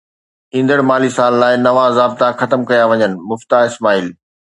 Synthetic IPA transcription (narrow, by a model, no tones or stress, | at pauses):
ĩːn̆d̪əɽmaːlisaːlːaːɪnɐʋãzaːbt̪axɐt̪əmkɐjaʋɐɲənɪ̆mʊft̪aːɦɪsmaːiːl